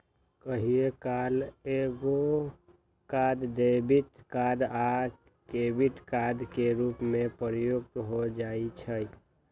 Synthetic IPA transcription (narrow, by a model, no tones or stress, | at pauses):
kəɦiekaleɡo | kad̪d̪ebit̪kad̪a | kebiʈ̪kad̪ʱkeɾupmepəɾjoɡ̚t̪ɦod͡ʒait͡ʃʰəj